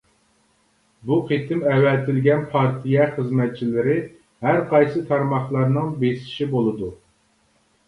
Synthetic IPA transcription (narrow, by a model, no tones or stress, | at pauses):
buqet̪ʰɪmɛwɛlt̪ʰɪlɡʲɛnpʰɑɾt̪ʰijɛχəzmɛt̪̚t͡ʃʰilɪɾɪ | hæɾqʰɑjsɨt̪ʰɑɾmɑχlˠɑɾnɨŋbesɪ̥ʃibolˠɨd̪u